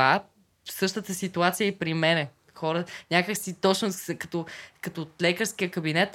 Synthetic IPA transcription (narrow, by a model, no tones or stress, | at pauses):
a | fsɤʃt̪ət̪əsit̪uat̪sijəipɾimɛnɛ | xɔɾənʲakəksit̪ɔt͡ʃnʊsɛkɐt̪ɔkɐt̪ɔt̪lɛkəɾsk̟ijəkɐbinɛt̪